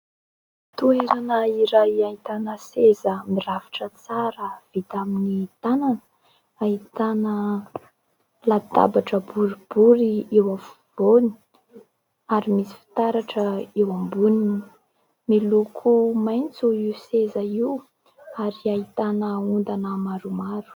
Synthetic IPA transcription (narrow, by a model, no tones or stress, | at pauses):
t̪ueɾanəiɾajait̪anəsezəmiravi̥ʈ͡ʂət͡saɾəv̥it̪aminit̪ananə̥ | ait̪anə | lat̪a̰baʈ͡ʂəbuɾib̥uɾiewavuvoni̥ | aɾimisi̥fi̥t̪aɾaʈ͡ʂəewambunini | milukʰumajnt͡suiwsezaiw | aɾiait̪anəund̪anəmaɾumaɾu̥